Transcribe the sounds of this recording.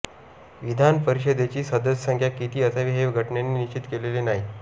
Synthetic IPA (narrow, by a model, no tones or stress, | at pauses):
ʋid̪ʱanpəɾiɕəd̪et͡ɕiːsəd̪əsəsəŋkʰjakit̪iːəsaʋiːɦeʋɡʱəʈɳjanːiːnit͡ɕit̪kelelenaɦi